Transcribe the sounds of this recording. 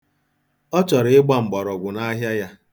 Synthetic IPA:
ɔ˦t͡ʃɔ˨ɾɪ˨˦ɪ˦ɡ͡ba˦ŋ͡m̩˨ɡ͡bɔ˨ɾɔ˨ɡʷʊ˨na˦ɦja˦ja˦

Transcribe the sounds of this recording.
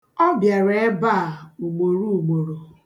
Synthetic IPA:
ɔ˦bja˨ɾe˨e˦ba˦˨u˨ɡ͡bo˨ɾu˦u˨ɡ͡bo˨ɾo˨

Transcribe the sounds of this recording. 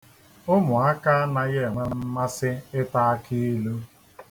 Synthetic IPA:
ʊ˦mʊ˨a˦ka˦a˦na˦ɣe˦˨ŋʷa˦m̩˦ma˦sɪ˦ɪ˦ta˦a˦kʰi˦lo˦

